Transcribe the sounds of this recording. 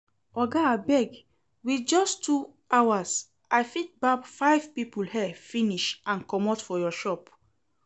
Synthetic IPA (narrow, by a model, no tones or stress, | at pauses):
ɔɡabɛɡ | wid͡ʒɔstʰu | awas | ajfit̚babfajv̥pipulhɛfĩniʃʔãnkɔmɔtfɔjɔʃɔp